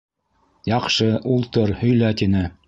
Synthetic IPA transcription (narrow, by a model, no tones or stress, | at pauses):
jɑqʃɤʔulˠt̪ɤɾhɵ̆jlæt̪inɘ